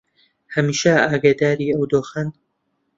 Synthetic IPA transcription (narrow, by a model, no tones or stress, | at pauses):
hɐmiːʃɐaːɡad̪aːɾiːɐwd̪oːxɐn